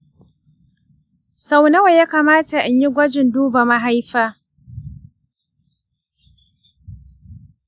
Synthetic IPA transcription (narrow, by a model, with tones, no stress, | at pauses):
sa˦wnɐ˦wa˨jaː˦kaː˨maː˦ta˨ʔɪ˨ɲji˦ɡʷɐ˦d͡ʒɪ˨nduː˦ba˨ma˦ɦa˦jɸaː˦